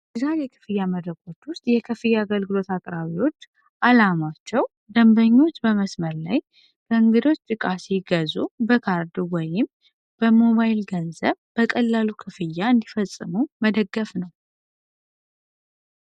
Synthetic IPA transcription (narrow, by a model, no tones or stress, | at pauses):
ɨzaɾjɛkʰɨ̥fɨjːaməd̪ɾəkʼo̞t͡ʃ̪ːwʊst̪ʼjɛkʰɨfɨjːaːɡəlɡɨlo̞t̪akʼɾaβiwo̞t͡ʃː | ʔalamat͡ʃːɛw | d̪əmbəɲːo̞t͡ʃːbəməsməɾlaj | bʰəɨŋɡɨd̪o̞t͡ʃːt̪ʼɨkʼasiɡəzubəkʰaɾd̪wɔjɪm | b̥əmo̞βajɪlɡənzəβb̥əkʼəlːalukʰɨfɨjːaɨnd̪ifəsʼːɨ̰muməd̪əɡːəfnəw